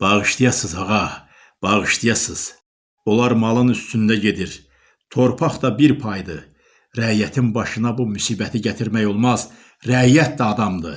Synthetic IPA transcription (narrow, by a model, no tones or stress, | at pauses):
b̥ɑʁɯʃt̪ijɑsɯzɑʁɑ | b̥ɑʁɯʃt̪ijɑsɯz̥ | o̞lˠɑɾmɑlˠɯnyst̪ynd̪æɟe̞d̪iɾ | t̪ʰo̞ɾpʰɑχd̪ɑbiɾpʰɑjd̪ɯ | ɾæjæt̪ʰinbɑʃɯnɑbumysiːbæt̪ʰiɟæt̪ʰiɾmæjo̞lˠmɑz̥ | ɾæjæt̪̚d̪æɑd̪ɑmd̪ɯ̰